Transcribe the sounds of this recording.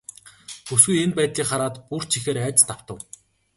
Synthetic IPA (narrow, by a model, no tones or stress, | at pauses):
xusɣujenpæːt̪ɮʲiːkχaɾaːt̪pur̥t͡ɕʰixeːɾæːt͡ɕt̪aw̥t̪ə̆w